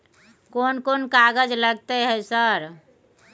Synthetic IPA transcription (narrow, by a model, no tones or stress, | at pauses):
konkonkaɡəd͡ʒləɡ̚t̪eɦɛsəɾ